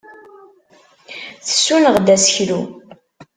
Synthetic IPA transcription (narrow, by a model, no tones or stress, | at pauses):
θə̥sːunəʁd̪æsəçɾu